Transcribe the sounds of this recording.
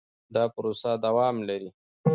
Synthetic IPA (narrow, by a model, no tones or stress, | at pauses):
d̪ɑpɾosad̪awɑːmlaɾi